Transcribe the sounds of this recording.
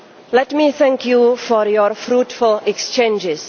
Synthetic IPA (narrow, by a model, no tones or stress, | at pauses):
lɛtmiθɛ̃ŋkʰjufɔɾjɔɹfɾutfʊlɛkst͡ʃẽnd͡ʒɪs